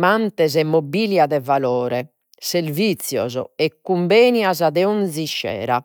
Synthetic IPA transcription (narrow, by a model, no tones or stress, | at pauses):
mant̪ɛzɛmːobiljaðɛvalɔːɾɛ | seɾvit̪sjɔ̰zɔ̰ɛkːumbeːniazaðɛɔnziʃːɛ̰ːɾa̰